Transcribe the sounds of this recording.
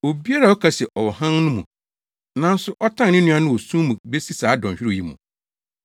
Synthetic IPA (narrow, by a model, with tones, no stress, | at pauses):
o˨bi˦a˦ɾa˨ɔ˦kʰa˨sɛ˨ʔɔ˨wɔ˨hã˦nnʊ̃˦mũ˨ | nã˦n̩˦sʊ˦ʔɔ˦tʰã˦n˨nɪ̃˦nũ˦ã˦nʊ̃˦wɔ˨sũ˦mũ˨be˦si˦saː˨˦dɔ̃˨ɲ˨ɕᶣɪ˦ɾɪ˦˨i˦mṵ̃˨